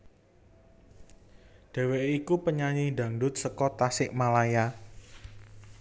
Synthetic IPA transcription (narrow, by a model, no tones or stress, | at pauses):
d̥e̤weikupəɲaɲid̪ä̤ŋdʊt̪̚səkɔt̪asɪʔmalaja